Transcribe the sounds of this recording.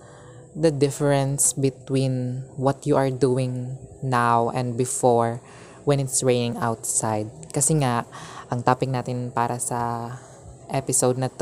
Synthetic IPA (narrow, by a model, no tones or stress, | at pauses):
d̪ɐd̪ɪfɛɹɛ̃nsbɪt̪wĩnwɔt̪juʔɐɹd̪uːɪ̃ŋnawʔɛ̰̃nd̪̚bɪfɔɹ | wɛ̃nɪt̪sɹejnɪ̃ŋawt̪sajd̪̚kɐsɛŋaʔʔɐŋt̪aːpɪk̚naːt̪ɪnpaːɾʔɐsɐ | ʔɛpɪsowd̪̚nɐt̪